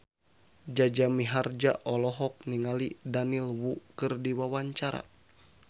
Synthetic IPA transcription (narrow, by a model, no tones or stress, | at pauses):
d͡ʒad͡ʒamiɦard͡ʒaʔɔlɔɦɔk̚niŋalidanilwukɨrdiwawaɲt͡ʃaɾa̰